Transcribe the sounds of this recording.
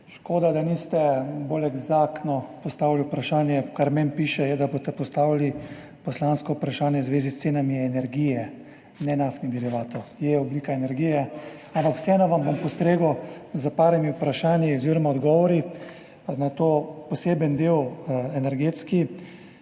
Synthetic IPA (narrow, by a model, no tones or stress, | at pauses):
ʃkoːd̪ad̪anist̪ɛbolɛɡzaknɔpɔst̪aːʋiliupɾaʃaːnjɛkaɾmɛmpiːʃɛjɛd̪aboːst̪ɛpɔst̪aːʋili | pɔslanskɔupɾaʃaːnjɛwzʋeːzist̪seːnamiɛnɛɾɡijɛ | nɛnaft̪nid̪iɾiʋaːt̪ɔjɛɔbliːkaɛnɛɾɡiːjɛ | ampakw̥sɛnɔʋambompɔst̪ɾeːɡɔzapaːɾɛmiupɾaʃaːnjiɔziɾɔmaɔd̪ɡɔːʋɔɾi | nat̪oːpɔseːbənd̪ewɛnɛɾɡeːt̪ski